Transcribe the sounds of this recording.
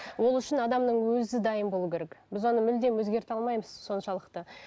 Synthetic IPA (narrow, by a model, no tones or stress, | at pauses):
wo̞lˠʏʃɪnɑd̪ɑmnəɴwɵzɪd̪ɑjəmbo̞lˠukʲʰeɾekbɪzwo̞nəmʏld̪e̞mwɵzɡʲe̞ɾt̪ɑlˠmɑjməzso̞nʃɑlˠəqt̪ə